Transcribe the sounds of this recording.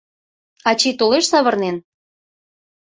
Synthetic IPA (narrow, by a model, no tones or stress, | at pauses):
ɑt͡ɕit̪oleʃsɑβɤ̆rnen